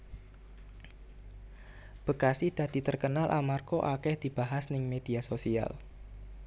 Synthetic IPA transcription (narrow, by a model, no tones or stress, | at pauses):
b̥əkasɪhd̪̥ä̤d̪̥i̤t̪ərkənalʔamarkoʔakɛhd̪̥i̤b̥aɦasnɪŋmed̥̪iasosia̰l